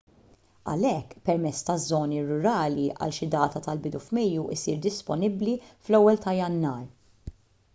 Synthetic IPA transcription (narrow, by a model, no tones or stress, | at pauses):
ɐ̰lɛkːpɛɾmɛt͡sːt̪ɐzːɔːniɾʊɾɐːliʔɐ̰lʃɪd̪ɐːt̪ɐt̪ɐlbɪd̪ufmɛjːuʔɪsiːɾd̪ɪspɔnɪbliflɛwːɛlt̪ɐjɐnːɐːɾ